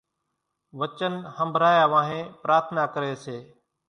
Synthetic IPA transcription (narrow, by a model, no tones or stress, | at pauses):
ʋət͡ʃənhəmbʱɾaːjaːʋãːɦẽːpɾʔaːɾt̪ʰnaːkəɾeːseː